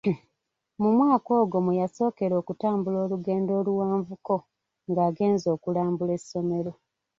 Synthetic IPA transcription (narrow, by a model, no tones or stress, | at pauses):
mumwaːko̞ːɡo̞mujaso̞ːke̞ɾo̞ːkutaːmbulo̞ːluɡe̞ːndo̞ːluwaːɱvuko̞ | ŋɡaːɡe̞ːnzo̞ːkulaːmbule̞sːo̞me̞ɾo̞